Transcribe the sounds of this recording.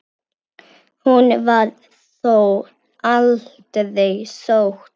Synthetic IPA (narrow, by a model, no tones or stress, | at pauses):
hunvaɾ | sow | alt̪ðɪsowxt̪